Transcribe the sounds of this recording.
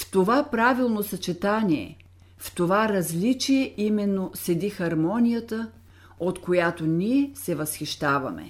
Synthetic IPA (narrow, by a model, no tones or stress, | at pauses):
ft̪ovapɾavilˠnosɐt͡ʃɛt̪aniɛ̰ | ft̪ovaɾɐzlit͡ʃijɛʔimɛnːosɛd̪ixɐɾmɔnʲijət̪ə | ot̪kojat̪oniɛsɛvɐsxiʃt̪avɐ̰mɛ̰